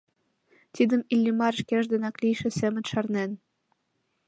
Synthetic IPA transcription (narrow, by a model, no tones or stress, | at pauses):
t̪id̪ə̆milʲːimɑrʃkeʒd̪enɑklijʃĕsemə̆nʃɑrnen